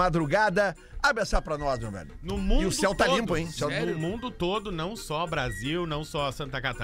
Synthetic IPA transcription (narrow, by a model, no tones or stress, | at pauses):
mad̪ɾuɡad̪ɐ | abẽsapɾɐnɔsmewbɛ̰lʊnʊmũɪʊsɛwt̪alĩmpʊẽj̃ʊsɛw̪ãmũnd̪ʊt̪od̪ʊnɐ̃w̃sɔbɾaziwnɐ̃w̃sɔɐsɐ̃nt̪ɐkat̪a